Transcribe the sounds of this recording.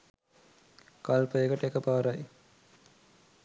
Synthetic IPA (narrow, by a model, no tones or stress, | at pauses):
kalpəjəkəʈəekəpaːɾaj